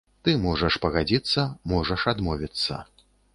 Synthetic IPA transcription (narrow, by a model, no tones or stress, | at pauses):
t̪ɨmɔʐɐʂpɐɣad͡zʲit̪sːɐmɔʐɐʂad̪mɔvʲit̪sːɐ̰